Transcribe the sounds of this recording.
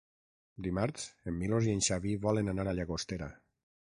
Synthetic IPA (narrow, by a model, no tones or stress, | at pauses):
d̪imaɾsemːilozienʲʃaβiβɔlenanaɾaʎaɣost̪eɾa̰